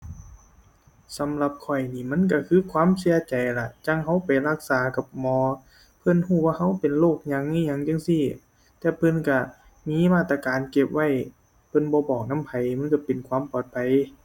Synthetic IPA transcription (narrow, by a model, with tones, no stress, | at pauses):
sa˨˦mla˧p̚kʰɔ˧˩jniː˧˩ma˧˥˨nk̬a˧˩kʰɯː˧˥˨kʰwaː˧˥˨msi˧˦ɐt͡ɕa˨jla˧ʔt͡ɕa˧˥˨ŋɦa˧˥wpa˨jla˧˩k̚saː˨˦ka˧˩p̚mɔː˨˧˦ | pʰɤ˧˥˨nhuː˧˩waː˧ɦa˧˥˩wpe˨nloː˥˩k̚ɲa˧˥ŋi˧˨ɲa˧˨ŋt͡ɕa˧˥˨ŋsi˧˩˨ | t̪ɛː˧pʰɤ˧˨nka˧˩ | miː˧˥˨maː˧˩t̪ːa˧kaː˨nke˧˩p̚wa˧˥˨j | pʰɤ˧˥˨nbɔː˧˦bɔː˨˩k̚na˧˥˨mpʰa˨˩jma˧˥˨nka˧˩pe˨nkʰwaː˧˥˨mpɔː˨˩t̪̚pʰa˨j